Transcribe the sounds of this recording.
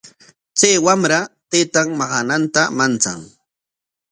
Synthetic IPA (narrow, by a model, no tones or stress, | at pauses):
t͡sajwamɾat̪et̪aŋmɑɢɑnant̪amant͡saŋ